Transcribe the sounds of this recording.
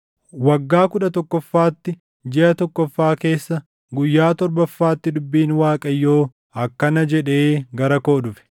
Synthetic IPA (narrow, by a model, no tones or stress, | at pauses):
wɐɡːaːkʊᶑɐt̪ɔkːɔfːaːt̪ːɪ | d͡ʒɛʔɐt̪ɔkːɔfːaːke̞ːsːɐ | ɡʊjːaːt̪ɔɾbɐfːaːt̪ːɪd̪ʊbːiːnwaːkʼɐjːo̞ː | ɐkːɐnɐd͡ʒɛᶑe̞ːɡɐɾɐko̞ːdʊfɛ̥